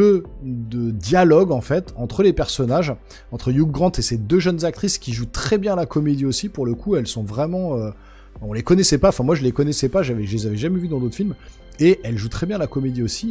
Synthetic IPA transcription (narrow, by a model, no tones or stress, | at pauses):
ød̪əd̪jalɔɡɑ̃fɛt̪ɑ̃t̪χəlepɛʁsɔnaʒ | ɑ̃t̪χəjuɡʁɑ̃t̪esed̪øʒənzak̚t̪χiskʲiʒut̪χɛbjɛ̃lakɔmed̪iosipuʁləkʰuɛlsɔ̃vʁɛmɑ̃ø | ɛ̃ɔ̃lekɔnɛsɛpaɑ̃fɛ̃mwaʒəlekɔnɛsɛpaʒavɛʒəlezavɛʒamɛvyd̪ɑ̃d̪ot̪χfilm | eʔɛlʒut̪χɛbjɛ̃lakɔmed̪iosi